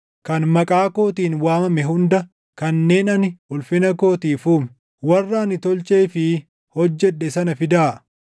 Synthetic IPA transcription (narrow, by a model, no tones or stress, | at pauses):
kɐnmɐkʼaːko̞ːt̪iːnwaːmɐmɛɦʊnd̪ɐ | kɐnːe̞ːnɐnɪʔʊlfɪnɐko̞ːt̪iːfuːm | wɐrːaːnɪt̪ɔlt͡ʃʼeːfɪ | hɔd͡ʒːɛᶑːɛsɐnɐfɪd̪aː